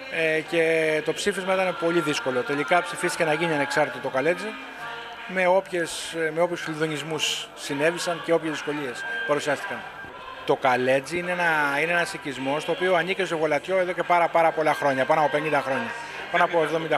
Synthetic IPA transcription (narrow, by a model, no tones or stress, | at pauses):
ece̞t̪o̞psifizmɐit̪ɐne̞po̞liðisko̞lo̞t̪e̞likɐpsifist̪i̥çcenɐʝiniɐne̞ksɐɾt̪it̪ot̪okɐle̞d͡zi | meo̞pçe̞sme̞o̞pçusfilðoɲizmusː | ine̞visɐnce̞o̞pçezðisko̞lie̞spɐɾusiɐst̪ikɐn | t̪o̞kɐle̞d͡ziineenɐineenɐsicizmo̞st̪o̞ːpioɐnice̞st̪oɣo̞lɐt̪ço̞e̞ðoce̞pɐɾɐpɐɾɐpo̞lɐxɾo̞ɲɐpɐnoɐpo̞pe̞nind̪ɐxɾo̞ɲɐ | pɐnoɐpo̞evðo̞mĩnd̪ɐ